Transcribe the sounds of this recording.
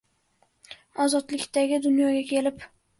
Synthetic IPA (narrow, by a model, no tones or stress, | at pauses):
ɒzɒt̪lɪkʲt̪aɡʲɪd̪ʊnjɒɡʲakʲʰe̞lɪp